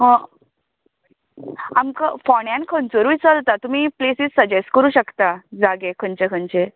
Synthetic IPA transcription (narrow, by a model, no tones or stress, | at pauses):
ɦə̃ | amkafɔɳjãnkʰənt͡soɾuʋit͡səlt̪at̪um̤iːplesiːd͡zsəd͡ʑesʈkəɾuːɕəkt̪ad͡zaɡekʰənt͡ɕekʰənt͡ɕe